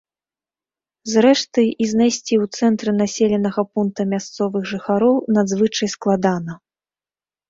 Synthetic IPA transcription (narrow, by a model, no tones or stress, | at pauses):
zɾɛʂt̪ɨiznajsʲt͡sʲiwt̪sɛnt̪ɾɨnasʲelʲɛnɐɣɐpunk̚t̪ɐmʲast̪sɔvɨɣʐɨxaɾɔwnad̪zvɨt͡ʂɐjsklˠad̪anɐ